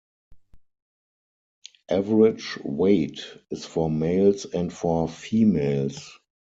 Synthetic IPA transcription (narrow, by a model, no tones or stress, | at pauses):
ʔævəɹɪd͡ʒweɪtɪsfɔmeɪlsɛ̃ntfɔfiːmeɪls